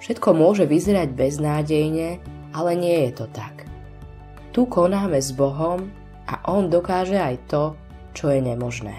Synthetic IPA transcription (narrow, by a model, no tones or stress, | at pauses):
fʃɛt̪kɔmʊɔʒɛʋizɛɾaɟbɛznaːɟɛjɲɛ | alɛɲɪɛjɛt̪ɔt̪ak | t̪ukɔnaːmɛzbɔɦɔm | ʔa̰ʔɔnd̪ɔkaːʒɛajt̪ɔ | t͡ʃɔjɛɲɛmɔʒnɛ̰ː